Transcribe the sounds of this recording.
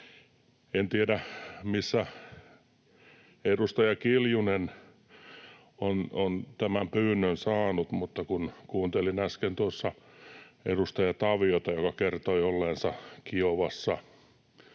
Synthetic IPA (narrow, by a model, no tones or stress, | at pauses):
ent̪iedæmisːæ | edust̪ɑjɑkiljunen | onont̪æmæmpyːnːønsɑːnut̪mut̪ːɑkunkuːnt̪elinæskent̪uosːɑ | edust̪ɑjɑt̪ɑʋiot̪ɑjokɑkert̪oiolːensɑkioʋɑsːɑ